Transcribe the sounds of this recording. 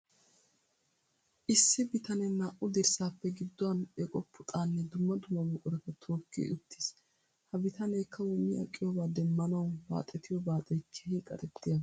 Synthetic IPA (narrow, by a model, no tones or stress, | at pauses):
ʔɪsːɪbɪt̪ɐnɛnaːʔʊd̪ɪɾsaːpːɛɡɪd̪ːɔɐnɛkʼɔpːʊt̪ʼaːnːɛd̪ʊmːɐd̪ʊmːɐmʊkʼʊɾɛt̪ɐt̪ʰoːkːḭʊt̪ːi̥s | hɐbɪt̪ɐnejkʰːɐwɔmɪʔɐ̰kʼːɪjɔːbaːd̪ɛmːɐnɐwba̰ːt̪ʼɛt̪ɪjɔbaːt̪ʼɛkʰːɛ̥hikʼɐ̰t̪ɛt̪ːɪja